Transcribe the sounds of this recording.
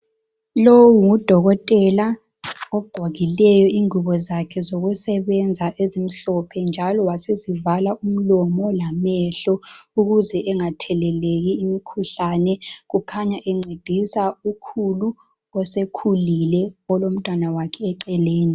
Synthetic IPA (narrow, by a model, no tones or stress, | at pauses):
lowuŋud̥ʱɔɣɔtʼɛla | ɔɡ͡ǀ̥ʱwaɣilɛjɔiŋuβɔzakʰɛzoɣusɛβɛnd͡zʱaʔezim̩ɬɔpʰɛnd͡ʒʱalɔwasezivalaʔum̩lɔmɔlamɛɬɔuɣuzɛʔɛŋatʰɛlɛleɣ̬iːmikʰuɬanɛɣukʰaɲaʔɛŋ͡ǀʱed̥ʱisaukʰulu | ɔsekʰulilɛɔlom̩tʼwanawakʰɛːǀɛleːni